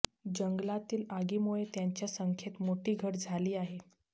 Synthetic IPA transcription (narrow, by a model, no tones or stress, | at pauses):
d͡ʑəŋɡlat̪iːlaɡiːmuɭet̪jaɲt͡ɕjasəŋkʰet̪moʈiːɡʱəʈd͡zʱaliːaɦe